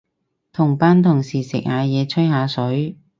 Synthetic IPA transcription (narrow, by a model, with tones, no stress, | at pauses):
t̪ʰʊ˨˩ŋpaː˧˥nt̪ʰʊ˨˩ŋsiː˨˩sɪ̰˨k̚haː˨˧jɛː˨˧t͡sʰɵ˥jɦaː˨˧sɵ˨˥ɥ